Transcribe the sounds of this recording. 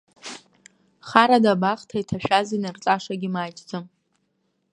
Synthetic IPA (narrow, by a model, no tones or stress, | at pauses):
χaɾadabaχtʰaitʰaʃᶣazinɨrt͡sʼaʂaɡʲimaːt͡ʃʼd͡zɨm